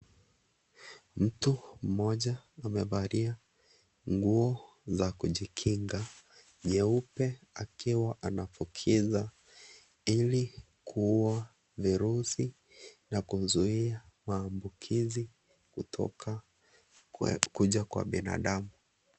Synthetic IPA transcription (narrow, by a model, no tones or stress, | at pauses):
m̩tum̩mɔʄaːmɛvaɾia | ŋɡuɔ | zakuʄikʰiŋɡa | ɲɛupɛ | akiwaʔanafukʰiza | ili | kʰuuwa | viɾusi | nakuzuia | maːmbukʰizi | kutʰɔ̰ka | kuʄakwa̰ɓina̰ɗamu